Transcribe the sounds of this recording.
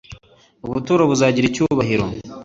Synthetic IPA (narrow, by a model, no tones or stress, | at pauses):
uβutuːɾaβuzaːɟiɾicuβaɦiɾo̰